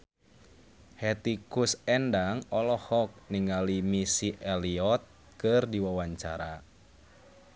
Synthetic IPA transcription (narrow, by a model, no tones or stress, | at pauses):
hɛt̪ikusɛndaŋɔlɔhɔk̚niŋalimisiʔɛliɔt̪̚ | kɨrdiwawaɲt͡ʃa̰ɾa